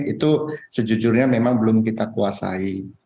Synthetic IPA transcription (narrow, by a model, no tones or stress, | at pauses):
t̪it̪usəd͡ʒud͡ʒʊrɲamemaŋbəlʊmkit̪akuasa̰i